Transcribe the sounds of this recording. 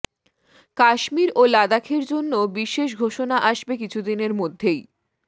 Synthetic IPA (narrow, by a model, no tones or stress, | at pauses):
kaʃmiɾolad̪akʰeɾd͡ʑonːobiʃeʃ̬ɡʱoʃonaʔaʃbek̬it͡ɕʰud̪ineɾmod̪ʱːej